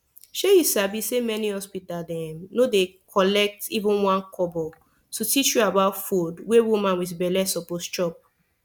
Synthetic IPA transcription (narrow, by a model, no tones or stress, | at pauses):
ʃejisavisːemɛnihɔspitaldɛ̃mnodekʰɔlɛk̚tivũnwãnkʰɔbɔ | tutit͡ʃjuabaʊtfudwewumãnwitbɛlɛsɔpost͡ʃɹɔp̚